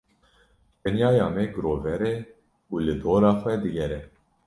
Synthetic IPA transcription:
p̪ɛnjɑːjɑːmɛɡɾoːvɛɾɛ | uːlɨd̪oːɾaːxɛd̪ɨɡɛɾɛ

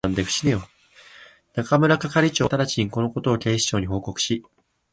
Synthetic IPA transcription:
ãnd̪e̞ɸɯ̟̥ɕinejo | nakamɯ̟ɾakakaɾʲit͡ɕo̞ːt̪aɾat͡ɕiɲ̟iko̞no̞ko̞t̪o̞ːke̞ːɕi̥t͡ɕo̞ːɲ̟iɦo̞ːko̞kɯ̥ɕi

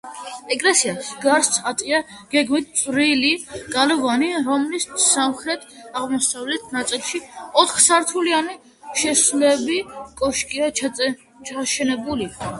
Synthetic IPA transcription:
ɛɡʼlɛsiasɡaɾst̪sʰat̪ʼiaɡ̥ɛɡmit̪̚ʰt̪sʼɾiliɡ̥alɔvaniɾɔmlissamχɾɛt̪ʰʼaʁmɔsavlɛt̪ʰnat̪sʼilˠʃiɔt̪ʰχsaɾt̪ʰuliani | ʃɛslɛbikʼɔʃkʼia | t͡ʃʰaʃɛnɛbuli

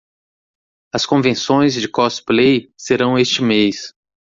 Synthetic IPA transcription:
ɐskõvẽsõj̃zd͡ʒɪkɔsplejseɾɐ̃w̃est͡ʃɪmejs

